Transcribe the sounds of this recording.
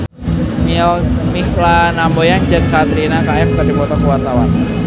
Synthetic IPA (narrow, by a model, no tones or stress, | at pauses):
miɔmislanambojand͡ʒəŋkat̪ɾinakaɛfkərdipɔt̪ɔkuwat̪awan